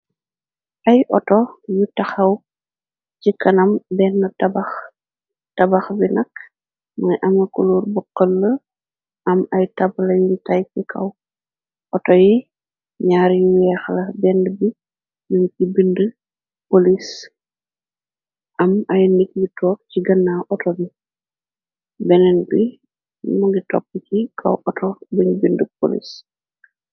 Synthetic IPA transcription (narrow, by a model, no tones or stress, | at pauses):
ʔɐjʔɔtɔjutɐxɐw | cikɐnɐmbɛnːɐtɐbɐx | tɐbɐxbinɐk | mɐjʔɐmɐkuluːrbɔqːəlːə | ɐmɐjtɐblɐjuntajkikʰɐ̰w | ʔɔtɔji | ɲaːɾjiwɛːxlɐbɛndəbi | juŋkibində | polis | ʔɐmɐjnək̚jitɔːk̚ciɡɐnːaʔɔtɔbi | bɛnɛnbi | muŋɡitɔ̰p̚ːicikʰɐ̰wɔtɔbəɲbindəp̚o̰lḭs